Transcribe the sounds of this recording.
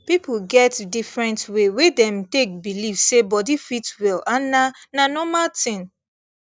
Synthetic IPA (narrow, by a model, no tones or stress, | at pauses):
pipuɡɛtdifɹɛ̃ntwewedɛ̃mtek̚bilifsebɔdifitwilanananɔmaltĩn